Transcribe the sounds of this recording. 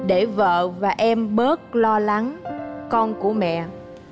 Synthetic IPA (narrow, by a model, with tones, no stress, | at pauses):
ɗe˧˩və̰ː˧˨vaː˨˩ʔɛ˧mɓəː˦˥t̚lɔ˧la˨˦ŋkɔ˧nku˧˩əmɛ̰˧˨